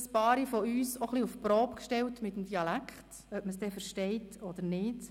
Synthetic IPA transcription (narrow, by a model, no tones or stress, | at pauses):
spɑːɾifɔyːsoχliufpɾɔːpkʃtɛltmɪtəmdiɑlækχt | œpməsd̥ɛːfəɾʃtɛɪtɔd̥̪əɾnɪːd